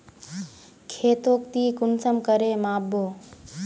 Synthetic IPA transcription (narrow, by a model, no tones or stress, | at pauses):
kʰeːt̪oːk̚t̪iːkʊnsəmkəɾeːmaːbʱoː